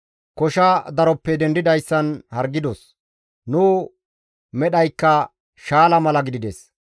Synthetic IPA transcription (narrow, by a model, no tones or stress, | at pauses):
kɔʃɐd̪ɐɾɔpːɛd̪ɛnd̪ɪd̪ɐjsːɐnhɐɾɡːɪd̪ɔs | nuː | mɛɗɐjkːɐ | ʃaːlɐmɐlɐɡɪd̪ɪd̪ɛs